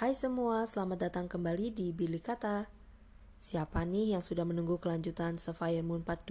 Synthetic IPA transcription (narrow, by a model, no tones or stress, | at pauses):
hajsəmuasəlamat̪̚dat̪aŋkəmbalidibilikat̪a | siapanɪhjaŋsudahmənuŋɡuhkəlaɲd͡ʒut̪ansəfajərmunpat̪̚d